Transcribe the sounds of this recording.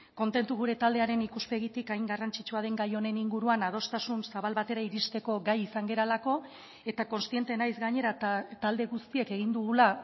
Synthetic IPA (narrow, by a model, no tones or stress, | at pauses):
ko̞nt̪e̞nt̪uɣ̞uɾe̞t̪ald̪e̞aɾe̞nikuspe̞ɣit̪ikajŋɡarant͡sit͡ʃuaðe̞ŋɡajo̞ne̞niŋɡuɾuanað̞o̞st̪asunsaβalβat̪e̞ɾaiɾist̪e̞ko̞ɡajisaŋɡe̞ɾalako̞ | e̞t̪ako̞nst̪ie̞nt̪e̞najzɡaɲe̞ɾat̪ald̪e̞ɣust̪ie̞ke̞ɣind̪uɣ̞ula